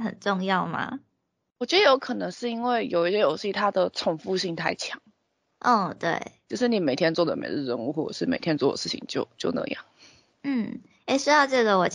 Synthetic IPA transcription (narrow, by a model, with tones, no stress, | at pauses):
xə̰˨˩nʈ͡ʂʊ˥˧ŋjɑ˥˩ʊma̰˩ | wɔ˨˩t͡ɕɥɛ˧˥d̪ə˧jo˧˥ʊkʰɤ˨˩nɤ˧˦ŋʂɻ̩˥˩˧i˥nwe˥˩ɪjo˨˩ʊi˥˩ɕɛ˥˧jo˨˩ʊɕt̪ʰa˦˥d̪ə˨ʈ͡ʂʰʊ˨˩ŋfu˥˧ɕi˥˧ŋt̪ʰa˥˩ɪt͡ɕʰjɑ˨˧˦ŋ | ʔɔ˥˩t̪wḛ˥˩ɪjo˥˧ʊʂɻ̩˥˩ni˨˩me˨˩ɪt̪ʰjɛ˥nt͡swɔ˥˩d̪ə̰˨˩mḛ˨˥ɪ˥˧˩ɻə˧˥˧nu˥˧xwɔ˥˩ʈ͡ʂə˨˩ʂɻ̩˥˩me˨˩ɪt̪ʰjɛ˥nt͡swɔ˥˩d̪ə̰˨˩ʂɻ̩˥˩t͡ɕʰḭ˨˩ŋt͡ɕjo̰˥˧ʊt͡ɕjo˥˧ʊnə̰˥˧˩jɑ̰˥˩ŋ | n̩˥˩ | e˥˩ɪʂu˥d̪ɑ˥˧ʊʈ͡ʂɤ˥˩ɡə˩wɔ˨˩t͡ɕ